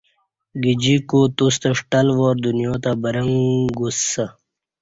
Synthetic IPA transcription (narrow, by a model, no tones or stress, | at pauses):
ɡid͡ʑikot̪ust̪ɐʂʈɐlʋoːɾd̪unjõːt̪abɐɾɐŋɡusɐ